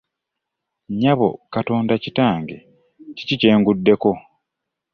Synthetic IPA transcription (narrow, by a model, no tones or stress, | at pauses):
ɲaβo̞̰kato̞ːndacitaːŋɡe̞ | ci̥cice̞ːŋɡudːe̞ko̞